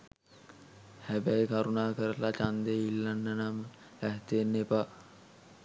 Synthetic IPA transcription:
hæbæjkaɾunaːkəɾəlat͡ʃand̪eilːanːənamə | æɦt̪enːepa

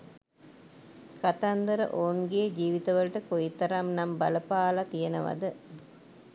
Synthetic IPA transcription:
kat̪and̪əɾə̰ʔoːnɡed͡ʒiːʋit̪ɐʋəlʈəkojit̪ɐɾamnambɐləpaːlat̪ijenəʋɐ̰d̪ə

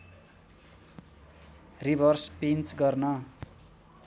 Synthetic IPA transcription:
ribʱʌrspint͡sɡʌrnʌ

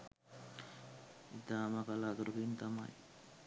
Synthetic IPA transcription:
id̪aːmakalat̪uɾkint̪ama̰j

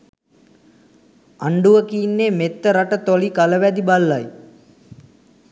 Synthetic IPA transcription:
aɳɖuʋəkiːnːeːmet̪ːəɾaʈət̪olikaləʋæd̪ibalːaj

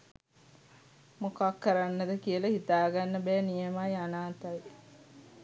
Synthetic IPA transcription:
mokakːəɾanːəd̪əkijəlɐhit̪aːɡanːəbæːnijəmajanaːt̪aj

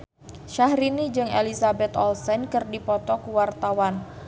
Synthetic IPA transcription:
ʃahɾinid͡ʒɨŋelisabɛt̪ɔlsɛnkɨrdipɔt̪ɔkuwart̪awan

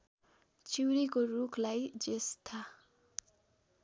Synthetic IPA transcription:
t͡siwɾikorukʰlajd͡zest̪ʰa

